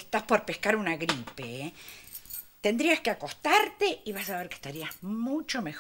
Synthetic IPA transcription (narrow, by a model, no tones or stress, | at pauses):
est̪aspo̞ɾpe̞hkaɾunaɣɾipe | t̪end̪ɾiaskeako̞st̪aɾt̪eiβasaβ̞eɾke̥st̪aɾiazmut͡ʃo̞mex